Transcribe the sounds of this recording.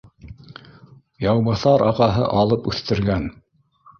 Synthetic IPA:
jɑwβɤ̆θɑɾɑqɑɦɤ̰ʔɑlˠɤpʉθt̪ɘ̆ɾɡæn

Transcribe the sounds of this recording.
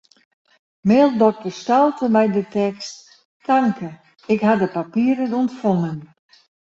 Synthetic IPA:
meːlˠdɔk̚təstɔlˠtəmɛjdətɛkst | tʰaŋkʰə | ɪkhadəpapiəɾənuntfoŋən

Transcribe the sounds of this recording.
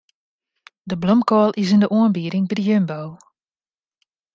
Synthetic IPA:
dəblɔmkɔlˠʔɪs̬ɪndəʔoənbiːɾɪŋbədəjømbow

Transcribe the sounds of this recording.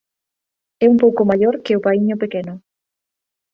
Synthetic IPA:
ɛumpowkʊmaʎoɾkɪʊpaiɲʊpekenʊ

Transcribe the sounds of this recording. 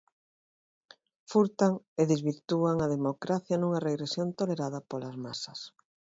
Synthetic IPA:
fuɾt̪aŋeðezβiɾt̪uaŋɐðemokɾaθjɐnuŋɐreɣɾesjont̪oleɾaðɐpolɐzmasɐs

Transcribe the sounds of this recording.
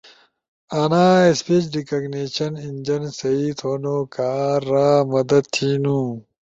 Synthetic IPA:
ɐnaːespit͡ɕɖikɐɡneːɕɐnind͡ʑɐnsɐit̪ʰoːnoːkaːɾːaːmɐd̪ɐd̪̚t̪ʰiːnũː

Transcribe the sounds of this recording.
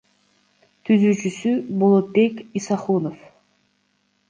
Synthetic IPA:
t̪ʰyzyːt͡ʃysybolˠot̪̚be̞kisɑχunof

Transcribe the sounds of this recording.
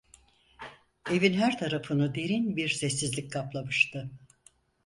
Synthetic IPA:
e̞vinɦæɾt̪ʰaɾafɯnɯd̪e̞ɾinbiɾsɛsːizlʲikʲkʰaplˠamɯʃt̪ɯ

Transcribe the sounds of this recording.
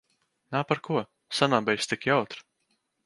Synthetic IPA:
naːpaɾkuɔ | sanaːbɛjst̪ʲikjawt̪ɾ

